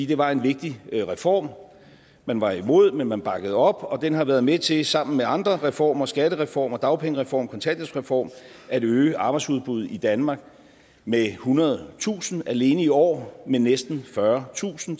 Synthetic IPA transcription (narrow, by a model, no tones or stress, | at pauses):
id̥e̝ʋɑ̈e̝nʋe̝ɡ̥̚d̥iʁɛfɒ̰ːm | mænʋɑ̈imo̝ð̞̰ˠmenmænb̥ɑ̈ɡ̥əð̞̩ˠɒ̽b̥ɒ̽d̥enɦɑ̈ʋæɐð̞ˠmet͡sʰe̝sɑ̈m̰n̩meɑ̈nd̥ʁɐʁɛfɒ̰ːmɐsɡ̥æd̥əʁɛfɒ̰ːmɐd̥ɑ̈ʊpʰeŋəʁɛfɒ̰ːmkʰɒ̽nt͡sʰæn̰djəŋsʁɛfɒ̰ːm | æd̥øːəʔɑ̈ːb̥ɪdsuð̞ˠb̥uð̞̩ˠid̥ænmɑ̈ːɡ̥̚ | mehunɐð̞̩ˠt͡sʰṵːsn̩æle̝ːnəiɒ̰ːmenesd̥n̩fɶɐt͡sʰṵːsn̩